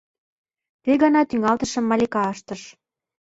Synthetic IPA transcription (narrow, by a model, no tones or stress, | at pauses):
t̪eɣɑnɑt̪yŋɑlt̪ə̆ʃə̆mːɑlʲekɑɤʃt̪ə̆ʃ